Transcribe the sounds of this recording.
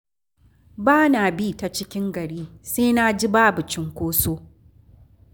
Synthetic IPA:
baː˦na˨biː˦˨ta˨t͡ʃɪ˦kʲɪ˦ŋɡɐ˨ɽiː˦seː˦na˦d͡ʒi˦baː˦bu˨t͡ʃɪ˦ŋkʷoː˦soː˦

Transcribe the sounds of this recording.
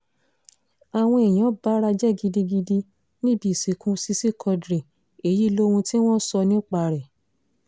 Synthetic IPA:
a˨w̃ɔ̃˧e˨j̃ã˨˦ba˦ɾa˧d͡ʒɛ˦˨ɡi˧di˧ɡi˧di˧ | nĩ˦bi˦˨si˨˦kũ˦si˦si˦˨kʰɔ˧dɾe˨ | e˨˦ji˦lo˦hũ˧ti˦w̃ɔ̃˦sɔ˧nĩ˦k͡pa˧ɾɛ˨

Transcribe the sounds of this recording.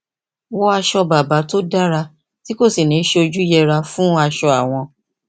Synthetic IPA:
wɔ˦a˧ʃɔ˧ba˨ba˨˦to˦da˦ɾa˧ | ti˦ko˦˨si˨nĩ˨˦ʃe˧o˧d͡ʒu˦jɛ˧ɾa˧fũ˦a˧ʃɔ˧a˨w̃ɔ̃˧

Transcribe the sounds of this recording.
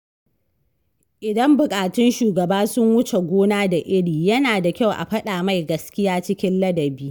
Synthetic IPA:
ʔɪ˨dɐ˦mbʊ˨kʼaː˨tʊ˦nʃuː˨ɡɐ˨baː˦sʊ˦ŋwʊ˦t͡ʃe˨ɡʷoː˦naː˦da˨ʔɪ˦ɽiː˨jɐ˦naː˨da˨kʲa˦wʔa̰˨ɸɐ˦ɗaː˨ma˦jɡɐ˦skʲɪ˦jaː˦t͡ʃɪ˦kʲɪ˦nlɐ˦dɐ˨biː˦

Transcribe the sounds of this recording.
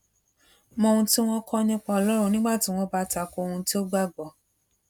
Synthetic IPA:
mɔ̃˧hũ˧ti˦w̃ɔ̃˦kʰɔ˦˧nĩ˦k͡pã˧ɔ˧lɔ˦ɾũ˦˧nĩ˦ɡ͡ba˦˨ti˨˦w̃ɔ̃˦ba˦ta˧˨ko˧o˧ũ˧ti˦o˦ɡ͡ba˦˨ɡ͡bɔ˨

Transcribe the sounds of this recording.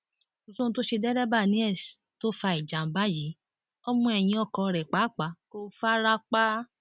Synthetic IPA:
u˨sũ˦n̩˧to˦ʃe˧dɛ˦ɾɛ˦ba˦˨nĩ˨˦ɛ˦˨sto˦fa˧i˨d͡ʒa˨m̩˨˦ba˦˨ji˨˦ | ɔ˦mũ˧ɛ˧˨j̃ĩ˧ɔ˦˨kɔ˧ɾɛ˨k͡pa˨˦˨k͡pa˨˦ko˧fa˦ɾa˦k͡pa˦

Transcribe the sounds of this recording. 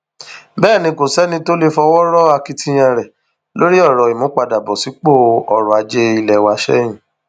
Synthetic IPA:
bɛː˦˨nĩ˧ko˨sɛ˦nĩ˧to˦le˦fɔ˧wɔ˦ɾɔ˦a˧ki˧tĩ˧j̃ɛ̃˧ɾɛ˨ | lo˦ɾi˦ɔ˦˨ɾɔ˨i˨mõ˨˦ka˧da˨bɔ˨si˨˦k͡po˦˨ɔ˨ɾɔ˨a˧d͡ʒe˦i˧lɛ˨wa˧ʃɛ̰˦j̃ĩ˨

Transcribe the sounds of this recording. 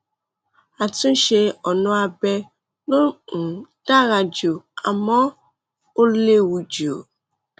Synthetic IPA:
a˨tũ˦ʃe˦ɔ˨nɔ̃˦a˨bɛ˦ | no˦ŋ̩˨ta˦ɾa˨d͡ʒo˨a̰˨mɔ̃˦ | o˦le˦wu˨d͡ʒo˨

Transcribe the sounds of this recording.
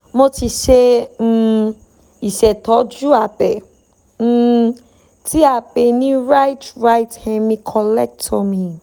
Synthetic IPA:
mo˧ti˧ʃẽ˧ | i˨ʃɛ˨tɔ˨˦d͡ʒu˦a˦˨bɛ̃˨˦ | ti˦a˨be˨nĩ˦ɾa˦jtɾa˧jthɛ̃˧mĩ˧kʰɔ˧lɛ˦k̚tɔ˧mĩ˧

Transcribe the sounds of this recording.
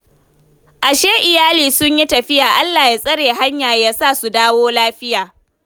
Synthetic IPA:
ʔa˨ʃeː˦ʔɪ˨jaː˦liː˨sʊ˦ɲji˦tɐ˨ɸɪ˦jaː˨ʔa˦lːaː˨ji˦sʼɐ˦ɽeː˨ɦa˦ɲjaː˨jaː˦sa˦˨su˨daː˦woː˦laː˦ɸɪ˦jaː˨

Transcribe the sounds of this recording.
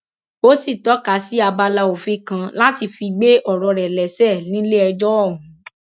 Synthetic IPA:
o˦si˦˨tɔ˨˦ka˨˦si˦a˧ba˧la˧o˨fe˦kã˧la˦ti˧fi˧ɡ͡be˦ʔɔ˦˨ɾɔ˧ɾɛ˨lɛ˨sɛ˦˨nĩ˨˦le˦ɛ˧d͡ʒɔ˦ɔ˦˨ũ˨

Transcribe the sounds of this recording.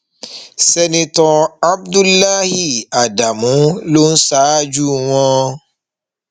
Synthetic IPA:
sɛ˧nĩ˧tɔ̃˧a˦bdu˦lːa˦hi˦˨a˨da˨mũ˨˦lo˦n̩˦sa˦a˦d͡ʒu˦w̃ɔ̃˦˧˦

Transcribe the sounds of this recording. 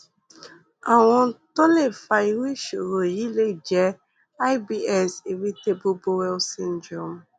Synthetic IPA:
a˨wɔ̃˦n˦to˦le˦˨fa˨i˨wi˦ʃo˨ɾo˨ji˦le˦d͡ʒɛ˦ | a˦ɪ˦bi˦ɛ˦si˨ɾi˦te˦bu˦bo˦wɛ˦lsĩ˦n˦d͡ʒɔ˦m

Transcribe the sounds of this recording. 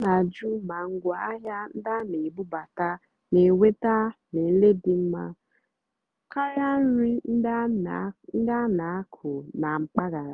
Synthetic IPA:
na˨d͡ʒu˦ma˨ŋ̩˦ɡʷa˦a˦ɦja˦n̩˦da˦ne˨bu˦ba˨ta˦ | ne˨we˦ta˦ne˨n̩˦le˦di˨m̩˦ma˦ | ka˦ja˦n̩˦ɾi˦n̩˦n̩˦da˦na˨a˦kʰʊ˨na˨ŋ͡m̩˨k͡pa˦ɡa˨ɾa˨

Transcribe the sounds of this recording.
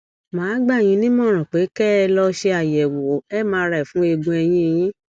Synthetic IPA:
mãː˨˦ɡ͡ba˦˨j̃ĩ˨˧˦nĩ˦mɔ̃˦˨ɾ̃ã˨k͡pe˨˦kɛ˦˧lɔ˧ʃe˧a˨jɛ˨wo˨˦ɛ˦˨mãː˧˦˧ɾa˧˨i˨fũ˨˦e˧ɡũ˧ɛ˧j̃ĩ˦e˧j̃ĩ˦

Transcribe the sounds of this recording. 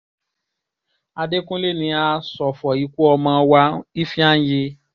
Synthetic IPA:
a˧de˦kũ˦le˦nĩ˧˦a˧sɔ˨fɔ˨ji˨˦ku˦ɔ˧mã˧wa˧˦i˦fĩ˦ã˦je˧

